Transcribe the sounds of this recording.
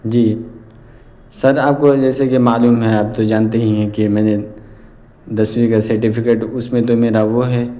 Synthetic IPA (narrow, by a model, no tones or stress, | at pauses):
d͡ʒiː | sɐɾaːp̚kod͡ʒɛːsekemaːluːmɦɛ̃aːp̚t̪od͡ʒaːnt̪̬eɦĩɦɛ̃kimɛ̃ːne | d̪ɐsʋikasɐɾʈipʰɪkeːʈʊsmẽt̪̬omeːɾaʋoɦɛː